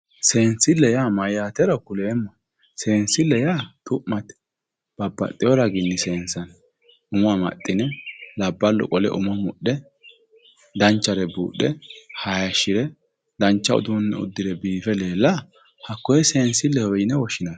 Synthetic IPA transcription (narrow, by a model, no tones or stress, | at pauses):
se̞ːnsɪlːɛjaːmɐjjaːt̪ɛɾɐkʊleːmːɐ | se̞ːnsɪlːɛjaːt̪ʼʊʔmːɐt̪ | b̥ɐbːɐ̰t̪ʼːɪjɔɾɐɡɪnːɪse̞ːnsɐn | ʊmɐmɐ̰t̪ʼːɪnɛlɐbːɐlːɔ̰kʼɔlɛ̰ʔʊ̰mɐmʊɗɛ | d̪ɐnt͡ʃːɐɾɛbṵːɗɛhajɐʃːɪɾɛ | d̪ɐnt͡ʃːɐʊ̰d̪unːɛ̰ʊ̰d̪ːɪɾɛbiːfɛle̞ːlːɐ | hɐkːɔjɛse̞ːnsɪlːɛhɔjɪnɛwɔʃɪnɐn